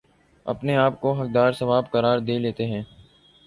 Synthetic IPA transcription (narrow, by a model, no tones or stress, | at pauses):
ɐ̰pneaːp̚koɦɐk̚d̪aːɾsɐʋaːbkɐɾaːɾd̪eːleːt̪eɦɛ̃ː